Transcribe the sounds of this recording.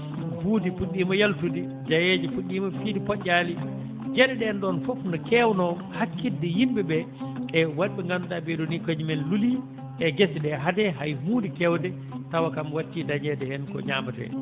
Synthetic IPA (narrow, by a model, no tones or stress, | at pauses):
buːdifuɗːimɔjaltudi | d͡ʒajed͡ʒɛpuɗːiːmɔfidipɔʔali | d͡ʒɛɗɛɗɛnɗɔnfɔfnɔkɛwnɔ | hakːidːɛjimbɛbɛ | ʔɛwaɗɓɛŋɡanudabɛɗonikod͡ʒimɛnluli | ʔɛɡesɗɛɦadɛɦajhuːdikɛwdɛ | tawakamwatːidaɲɛdɛhɛnkɔ̰ɲaːmatɛ̰